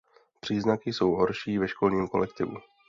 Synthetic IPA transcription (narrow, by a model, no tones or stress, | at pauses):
pr̥iːznakɪso̞wɦoɾʃiːvɛʃko̞lɲiːmko̞lɛkt̪ɪvṵ